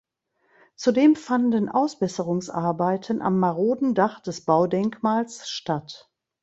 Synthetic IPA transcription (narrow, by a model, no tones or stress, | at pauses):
t͡sudeːmfandənʔaʊsb̥ɛsəʁʊŋsʔaɐbaɪtʰənʔa̰mːaʁoːdn̩daχd̥ɛsb̥aʊdɛŋkmaːlsʃtat